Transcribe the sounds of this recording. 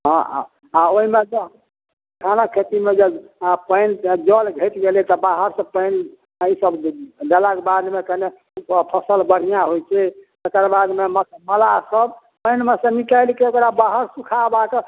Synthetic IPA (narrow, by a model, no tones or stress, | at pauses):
ɦɔ̰̃ | aoɦimed͡ʒe | kʰanakʰet̪imed͡ʒepəɪnd͡ʒɔlɡʱeʈ̪ɡelit̪ɔbaɦəɾsəbpəɪn | isəbɖəlakebad̪mekəne | pʰəsəlbəɽ̤ijaɦojt͡ʃʰɛt̪ekəɾbad̪memət̪məlasəb | pəjnmesə̃nikəjlkiokɾabaɦəɾsukʰabak